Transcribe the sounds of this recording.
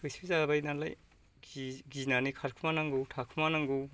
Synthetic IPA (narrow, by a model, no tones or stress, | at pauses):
uspʰizabajnala̰j | ɡiznanikʰaɾkʰumanaŋɡuwtʰakʰumanaŋɡuw